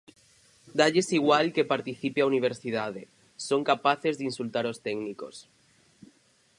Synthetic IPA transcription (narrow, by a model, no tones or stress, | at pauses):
d̪aʎe̞siɣ̞walke̞paɾt̪iθipeauniβ̞eɾsið̞að̞e | so̞ŋkapaθe̞zðinsult̪aɾo̞st̪eɡniko̞̰s